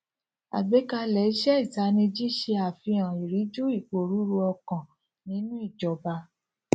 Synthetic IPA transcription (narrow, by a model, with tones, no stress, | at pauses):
a̰˨ɡ͡be˨˦ka˧lɛ˨˦ʃɛ˦i˦˨ta˨˦nĩ˧d͡ʒi˦ʃe˧a˨fi˧ã˨i˨ɾi˨˦d͡ʒo˦i˦˨k͡po˨ɾu˨˦ɾu˧ɔ˧kã˨ | nĩ˨˦nũ˦i˦˨d͡ʒɔ˨ba˧